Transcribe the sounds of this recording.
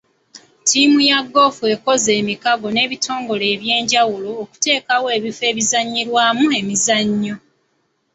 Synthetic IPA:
tʰimujaɡːo̞fue̞ko̞ze̞ːmikaɡo̞ne̞ːβitʰo̞ːŋɡo̞le̞ːβje̞ːɲɟawuloːku̥te̞ːkawoe̞ːβife̞ːβizaɲːiɾwaːmue̞mizaɲːo

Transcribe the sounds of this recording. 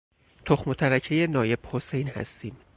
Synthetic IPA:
t̪ʰoxmot̪ʰæɾæcʰejenɒːje̞b̥ho̞se̞jnhæ̰st̪iːm

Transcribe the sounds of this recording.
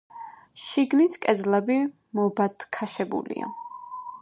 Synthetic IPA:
ʃiɡnit̪ʰkʼɛd̪zlabi | mɔbad̪kʰaʃɛbṵlḭa̰

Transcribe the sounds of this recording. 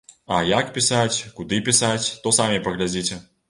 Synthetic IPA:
ɐjakpʲisat͡sʲkud̪ɨpʲisat͡sʲt̪ɔsamʲipɐɣlʲad͡zʲit͡sʲɛ

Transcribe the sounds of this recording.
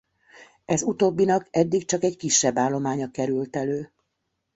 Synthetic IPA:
ɛzut̪oːbːinɒkɛd̪ːikt͡ʃɒkɛɟkiʃːɛbːaːlːo̞maːɲɒkɛɾylt̪ɛløː

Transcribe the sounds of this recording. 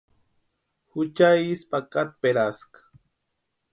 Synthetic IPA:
hut͡ʃajispakat̪̚peɾaskḁ

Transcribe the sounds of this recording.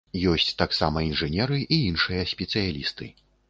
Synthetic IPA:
jɔsʲt͡sʲt̪aksamɐinʐɨnʲɛɾɨʔiinʂɨjɐsʲpʲɛt̪sɨjalʲist̪ɨ

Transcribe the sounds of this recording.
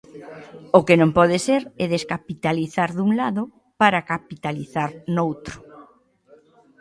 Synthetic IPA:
okenõmpɔðeseɾɛðeskapit̪aliθaɾðuŋlaðʊ | paɾakapit̪aliθaɾnowt̪ɾʊ̥

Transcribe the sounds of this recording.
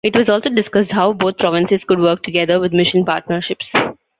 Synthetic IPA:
ɪʈʋɔzɔːlsoːɖɪskʌsɖɦaʊboːt̪̚pɾɔːʋɪ̃nsɪz̥kʊɖʋəɾk̚ʈʊɡɛd̪əɾʋɪd̪mɪʃə̃npaːɾʈnəɾʃɪps

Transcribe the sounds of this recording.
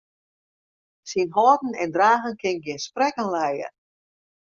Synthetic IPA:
sinɦɔtn̩ɛndraːɣənkʰɪnɡjɪnsprɛkənlɛjə̰

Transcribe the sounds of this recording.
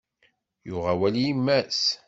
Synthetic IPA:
jʊʁawælijimːæs

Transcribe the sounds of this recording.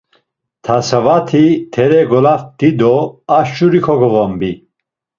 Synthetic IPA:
t̪ʰasavat̪ʰit̪ʰɛɾɛɡɔlafd̪̥id̪ɔaʃuɾikʰɔɡɔʁɔmbi

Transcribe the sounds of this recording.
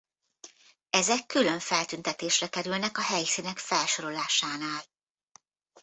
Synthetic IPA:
ɛzɛkːylø̞ɱfɛlt̪ynt̪ɛt̪eːʃrɛkɛɾylnɛkɒɦɛjsinɛkfɛlʃo̞ɾo̞laːʃaːnaːl

